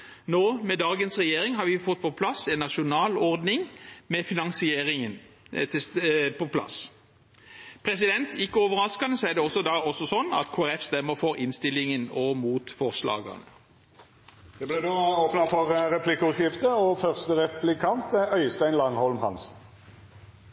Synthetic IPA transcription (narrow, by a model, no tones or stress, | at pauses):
noːmɛd̪ɑːɡənsʁɛjeːʁɪŋɦɑɾʋɪfɔt̪̚ːpʰɔpʰlɑsɛnːɑʃʊnɑːlɔʁd̪nɪŋmɛfɪnɑŋsɪeːɾɪŋən | t̪ʰɪpʰɔpʰlɑ̰s | pʰʁɛsɪd̪ɛnt̪ʰɪkːəɔːʋəʁɑskɑnəsɔɛʁd̪ɛɔsːɔd̪ɑɔsːɔsɔnːɑ̰t̪kʰoːæʁɛfst̪ɛmːəʁfɔɾɪnst̪ɪlːɪŋənɔmuːt̪fɔʁslɑ̰ːɡɑ̰nə | d̪̥ɛblɛd̪oːoːpnɑfɔʁɾɛpʰlɪkːəʉʃɪft̪əɔfœʁst̪əʁɛplɪkʰɑnt̪œʏst̪æɪnlɑŋhɔlmhɑ̰ns